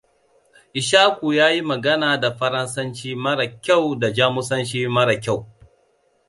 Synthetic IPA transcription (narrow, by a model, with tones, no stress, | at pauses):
ʔɪ˨ʃaː˦kʷu˨jaː˦ji˦mɐ˨ɡɐ˦naː˨da˨ɸɐ˦ɾɐ˦nsɐ˦nt͡ʃiː˦mɐ˦ɽa˨kʲa˦˨wda˨d͡ʒaː˦mʊ˦sɐ˦nt͡ʃiː˦mɐ˦ɽa˨kʲa˦˨w